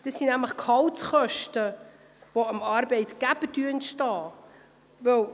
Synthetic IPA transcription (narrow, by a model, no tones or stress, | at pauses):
d̥ɑsːinæmləχkhɑltχœʃtə | voəmɑːɾbɛɪtɡ̥æb̥ədyəɛntʃtɑː | vœw